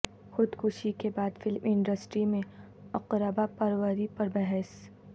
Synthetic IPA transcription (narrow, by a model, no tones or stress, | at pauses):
xʊd̪kʰʊʃikebaːd̪fɪlmɪ̃ɳɖəsʈɾimẽ | ɐqɾəbapɐɾwəɾipɐɾbɛɦɛs